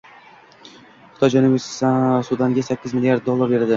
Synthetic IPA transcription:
χɪ̥t̪ʰɒd͡ʒanʊbɪsssud̪anɡʲasakʲːɪzmɪlʲijaɾd̪̚ːolˠːaɾbe̞ɾad̪ɪ

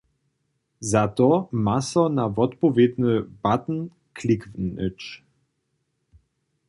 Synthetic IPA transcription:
zat̪ɔmasɔnavɔt̪pɔvʲjed̪nəb̥at̪n̩ | kʰlikvnə̰t͡ʃ

